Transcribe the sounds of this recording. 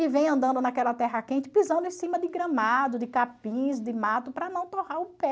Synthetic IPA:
ɪvẽj̃ɐ̃nd̪ɐ̃nd̪ʊnakɛlɐt̪ɛɦɐkẽnt͡ʃɪ̥pizɐ̃nd̪ʊẽsĩmɐd̪ɪɡɾɐ̃mad̪ʊd̪ɪkapĩz̬d̪ɪmat̪ʊpɾɐnɐ̃w̃t̪ohaɾʊpɛ

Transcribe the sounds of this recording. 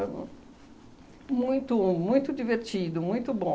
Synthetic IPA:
mũj̃t̪ʊmũj̃t̪ʊd͡ʒiveɾt͡ʃid̪ʊmũj̃t̪ʊbõ

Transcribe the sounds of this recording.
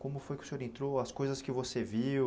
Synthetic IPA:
kõmʊfojkʲɪʊ̥seɲoɾẽt̪ɾoɐskojzɐskɪvosevi

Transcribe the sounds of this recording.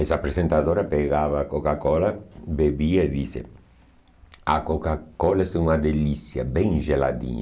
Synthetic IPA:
esapɾesent̪aðɔːɾapeɡaːvakokakɔlabebiːaed̪isḛ | akokakɔlaesunad̪elisja̰bɛŋʒela̰d̪ḭɲ

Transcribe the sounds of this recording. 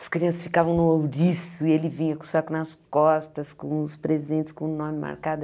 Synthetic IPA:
ɐ̥skɾiɐ̃sɐsfikavɐ̃w̃nʊowɾisʊɪelɪvĩɲɐku̥saɾkʊnɐskɔst̪ɐskõʊspɾezẽnt̪t͡ʃɪ̥skõʊnõmɪma̰ɾkad̪

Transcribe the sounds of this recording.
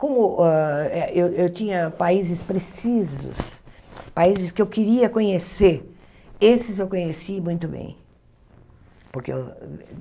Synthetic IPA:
kõmʊɔɛewewt͡ʃĩɲɐpaizɪspɾesizʊ̰spaizɪskɪewkiɾiɐkõɲeseɾ | esɪzewkõɲesimũj̃t̪ʊbḛ̃j̃ | pʊɾkḛ

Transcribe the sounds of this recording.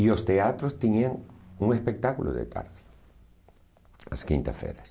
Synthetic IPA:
ilo̞st̪eat̪ɾost̪eniaŋuŋespe̞k̚t̪akulo̰ðḛt̪ʰa̰ɾð̥e̥ | laskḭnt̪afḛɾas

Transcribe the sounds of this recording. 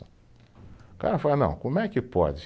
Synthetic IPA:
ɐ̃ | ka̰ɾɐfalɐnɐ̃w̃kõmʊɛkɪpɔ̰d͡ʒɪ

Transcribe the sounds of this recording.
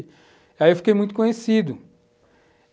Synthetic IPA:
iaiewfi̥kejmũj̃t̪ʊ̥kõɲesid̪ʊ

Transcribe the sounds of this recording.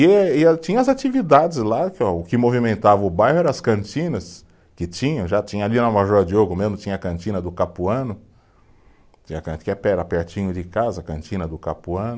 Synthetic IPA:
ɪɪat͡ʃĩɲɐ̃ɐzat͡ʃivid̪ad͡ʒɪzlakɔʊkɪmovimẽnt̪avɐ̃ʊbajhʊɛɾɐ̃ɐskɐ̃ntĩnɐs | kɪt͡ʃĩɲɐ̃w̃ʒat͡ʃĩɲɐaliɐnɐmaʒɔɐd͡ʒɪoɡʊmezmʊt͡ʃĩɲɐkɐ̃nt͡ʃĩnɐd̪ʊkapuɐ̃nʊ | t͡ʃĩɲɐkɐ̃kɛpɛɾapɛɾt͡ʃĩɲʊd͡ʒɪkazɐkɐ̃nt͡ʃĩnɐd̪ʊkapuɐ̃nʊ

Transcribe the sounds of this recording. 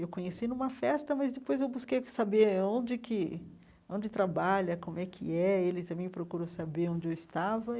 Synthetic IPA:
ewkõɲesinũmɐfɛst̪ɐmɐzd̪epojzewbuskejsabeɾõd͡ʒɪkʰɪ | õd͡ʒɪt̪ɾabaʎɐkõmʊɛkʰɪ̰ɛelɪt̪ɐ̃mẽj̃mɪpɾokuɾosabeɾõd͡ʒɪewɪst̪avɐ

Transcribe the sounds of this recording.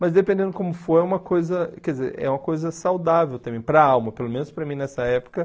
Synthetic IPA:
mɐzd̪epẽnd̪ẽnd̪ʊkõmʊfojɛũmɐkojzɐkɛdizḛɾɛ̰ũmɐkojzɐsawd̪avewt̪ɐ̃mbẽj̃pɾɐawmɐpelomẽnʊspɾɐmĩnɛsɐɛpʊ̥kɐ

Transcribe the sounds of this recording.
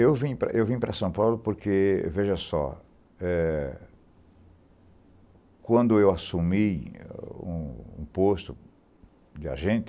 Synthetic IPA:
ewvĩpɾɐ̰ʔewvĩpɾɐsɐ̃w̃pawlʊpoɾkʰeveʒɐsɔ̰ | ɛ | kwɐ̃nd̪ʊewasumi | ṵ̃ũpost̪ʊ | d͡ʒ̪ɪa̰ʒẽnt̪ɪ

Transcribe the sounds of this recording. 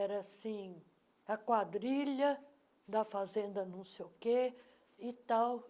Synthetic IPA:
ɛɾɐasĩ | ɐkwad̪ɾiʎɐ | d̪ɐfazẽnd̪ɐnɐ̃w̃sejʊke | ɪt̪aw

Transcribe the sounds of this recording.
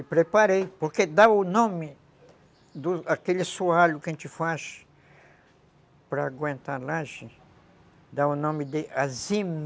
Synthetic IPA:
ɪpɾepaɾejpoɾked̪aʊnõmɪ | d̪ʊakelɪsuaʎʊkẽnt͡ʃ̪ɪfaʃ | pɾɐːɡwẽnt̪alaʒẽ | d̪aʊnõmɪd̪ɪʔazim

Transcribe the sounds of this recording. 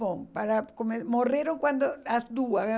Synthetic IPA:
opaɾakomemoreɾoŋkwand̪oasd̪ua

